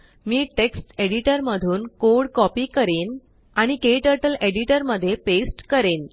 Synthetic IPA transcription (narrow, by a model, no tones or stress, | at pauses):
miːʈeksʈeɽiʈəɾməd̪ʱuːnkoɽkɔpiːkəɾen | aɽ̃ikeʈəɾʈəleɽiʈəɾməd̪ʱːjepesʈkəɾen